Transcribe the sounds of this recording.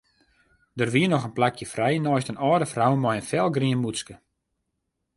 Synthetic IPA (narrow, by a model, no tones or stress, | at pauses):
dərʋiənɔxənplakjəfrɛjənɔjstənɔːdəfrawmɔjənfɛlˠɡriənmuskə